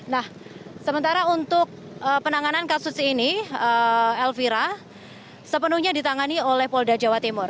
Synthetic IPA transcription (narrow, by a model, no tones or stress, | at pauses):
nahsəmənt̪aɾaunt̪ʊk̚ | əpənaŋanankasusiniəɛlfiɾa | səpənuhɲadit̪aŋaniolɛhpɔldad͡ʒawat̪imʊr